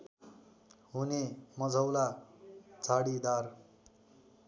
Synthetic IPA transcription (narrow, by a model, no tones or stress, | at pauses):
ɦunemʌd͡zʱʌwla | t͡saɽid̪ar